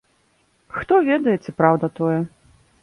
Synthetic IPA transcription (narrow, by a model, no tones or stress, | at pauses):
xt̪ɔvʲɛd̪ɐjɛt͡sʲɛpɾawd̪ɐt̪ɔjɛ